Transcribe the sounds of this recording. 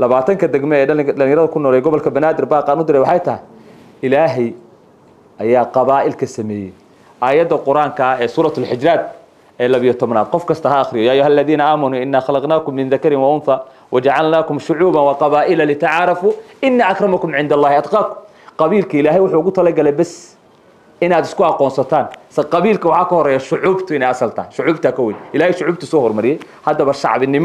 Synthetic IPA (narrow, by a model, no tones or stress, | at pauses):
lɐβaːt̪ʰɐŋkʰɐd̪ɛɡmɔɛːɖɐlɪŋjɐɾɐðɐkʰʊnːɔːɾlɛjɡɔβɔlkʰɐbɐnaːd̪ɪrbaːqɑːnʊd̪ɪɾɛjwɑħɑjt̪ʰɐɦɪ | ʔɪlaːɦɛj | ʔɐjaːqɑβaːʔɪlkʰɐsɐmɛːjɛj | ʔaːjɐd̪ːɐqʊɾaːŋkʰɐɛːsuːɾɑt̪ʊlħɪd͡ʒɾaːd̪̚ | ɛːlɐβɪjɔt̪ʰɔβnaːd̪̚qɔfkʰɐst̪ʰɐɦɐːxɾɪjɔjaːjʊɦalːɐðiːnɐʔamɐnuːɪnːaːxɑlɑqnaːkʊmːɪnðɐkɐɾɪnwɑʔʊnθa | wʔɐd͡ʒɐʕɑlnaːkʊmʃʊʕuːbɐnwɑqɑβaːʔɪlɐlɪt̪ʰaʕɾɑfuːʔɪnːaːʔɐkɾɑmɐkʊmʕɪnd̪ɐlˤːɑːhɪɑd̪qɑːkʊm | qɑβiːlkʰɐɪlaːɦɛjwʊħuːʊɣʊt̪ʰɐlɐɡɐlɛjbɛs | ʔɪnaːd̪ɪskʊɑqɔːnsɐt̪ʰaːnsɐqɑβiːlkɐwɑħɑːkɐhɔɾɛːjaʃʊʕuːbt̪ʰʊɪnɛjɑsɐlt̪ʰa̰ːhɪʃʊʕuːbt̪ʰakʰɐwɛjnɪlaːhɛjʃʊʕuːb̚t̪ʰʊsɔːhɔrmɐɾɪjɛj | hɐd̪ɐβɐʃɑ̰ʕβɪnɪm